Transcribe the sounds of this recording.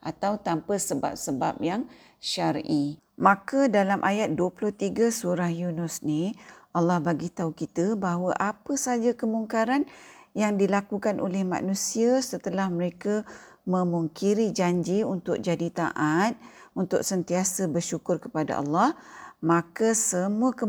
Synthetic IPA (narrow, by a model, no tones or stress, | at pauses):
ʔat̪awt̪ampəsəba̰p̚səbap̚jaŋ | ʃaɾʔi | mãkədalamʔajat̪̚duəpulʊht̪iɡasuɾahjunʊsniʔɑlːɑhbaɡit̪aukit̪əbaɦwəʔapəsad͡ʒakəmuŋkaɾanjaŋdilakukanʔo̰lɛhmã̰ʔnũsiasət̪əlahməɾeka | mə̃muŋkiɾid͡ʒaɲd͡ʒiunt̪ʊk̚d͡ʒadit̪a̰ʔat̪̚unt̪ʊ̰k̚sənt̪iasəbərʃukʊrkəpada̰ʔɑ̰lːɑhmãkəsəmũəkə